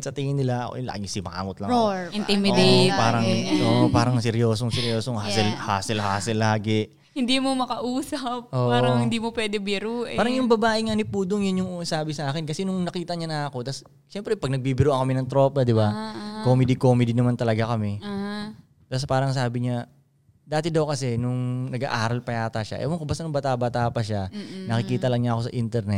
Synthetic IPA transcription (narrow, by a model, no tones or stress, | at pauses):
sɐt̪iːŋɪnɪla̰la̰ːɡɪsɪma̰ːŋʊt̪lɐɪnt̪imɪd̪paːɾɐŋʔoʔpaːɾɐŋsɛɾjoːsoŋsɛɾjoːsoŋhasɪlhaːsɪlhaːsɪlːaːɡɛ | hɪnd̪iːmomɐkɐʔuːsɐp̚ʔoːʔpaːɾʔoŋhɪnd̪iːmopwɛːd̪ɛbɪɾuːʔpaːɾɐŋjʊŋbɐbaːʔɪŋanipuːd̪oŋjʊnjʊŋʔsaːbɪsɐʔaːkɪnkɐsɛnʊŋnɐkiːt̪ɐɲanɐʔɐko̞t̪ɐs | ʃɛmpɾɛpɐɡ̚nɐɡ̚biːbɪɾoʔɐŋkɐmɛnɐŋt̪ɾopnɐd̪ɪbakomɛd̪ikoːmɛd̪inɐmant̪ɐlɐɡakɐmɛ | t̪as̬paːɾɐŋs̬aːbɪɲa | d̪aːt̪ɪd̪ɐwkɐsɛnʊŋnɐɡa̰ʔaːɾɐlpɐjaːt̪ɐʃa̰ʔɛ̰wɐŋkobast̪ɐnʊŋbɐt̪aːbɐt̪aːpɐʃanɐkɪkiːt̪ɐlɐŋɲaʔɐko̞sɐʔint̪ɛɾnɛt̪̚